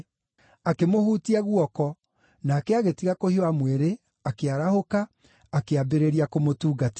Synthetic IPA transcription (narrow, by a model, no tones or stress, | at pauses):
akemohutiaɣwɔkɔ | naːkɛaɣetiɣakohioamweɾe | akeaɾahokaː | keabeɾeɾiakomotuːɡat